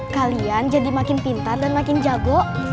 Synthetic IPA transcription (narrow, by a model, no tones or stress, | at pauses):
kaliand͡ʒadimakɪnpint̪ardanmakɪnd͡ʒaɡɔʔ